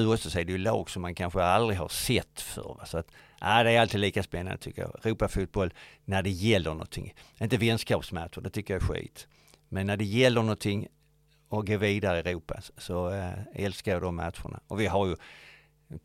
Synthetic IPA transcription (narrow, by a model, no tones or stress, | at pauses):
ʉ̟ːɔft̪asɔɪdɛjɵlɑ̰ːɡsɔmːankʰanɧəald̪ɾɪɦaɾsɛt̪ːfœ̰ɾvasɔat̪ | ʔad̪ɛæɾalt̪ʰiːd̪liːkaspɛnːa̰nd̪ət̪ʰʏkːəjɑ̰ːɛɾuːpafuːt̪̚bɔlnæɖɛjɛlːəɳɔ̰nt̪ʰːɪ̰ŋɪnt̪əvɛnskɑːpsmæt̪ʂʊɖɛt̪ʰʏkːəjaæɾɧḭːt̪ | mɛnːæɖɛjɛlːəɳɔnt̪ʰɪŋː | ɔɡoːviːd̪aɾəɛɾuːpa̰sɔɛlskajɑd̪ɔmːa̰t̪ɧʊ̰ɳa̰ɔvɪɦaɾjɵ